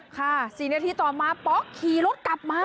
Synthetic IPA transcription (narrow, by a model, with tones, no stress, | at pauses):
kʰa˧˥˩si˨˩naː˧t̪ʰiː˧˩t̪ɔː˨˩maː˧pɔː˦˥kʰːiː˨˩lo˦˥t̪̚kla˨˩p̚maː˧˥